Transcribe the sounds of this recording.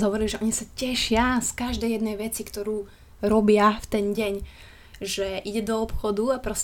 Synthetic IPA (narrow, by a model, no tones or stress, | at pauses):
zɦɔʋɔɾiliʒɛʔɔɲisacɛʃɪaskaʒd̪ɛjjɛd̪nɛjʋɛt͡sikt̪ɔɾuː | ɾɔbɪaft̪ɛnɟɛɲ | ʒɛʔiɟɛd̪ɔɔpxɔd̪uapɾɔs